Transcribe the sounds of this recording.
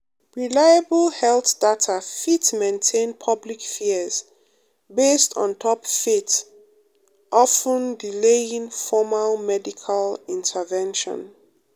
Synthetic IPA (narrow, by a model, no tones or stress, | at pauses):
ɹilajabəlhɛlˠθd̥atʰafitmẽntʰẽnpʰʌblikfiz̥ | bestɔ̃n̩tʰɔpfit | ʔɔfə̃ndileĩŋfɔmalmɛdikʰalĩntʰəvɛ̃nʃɔ̰̃n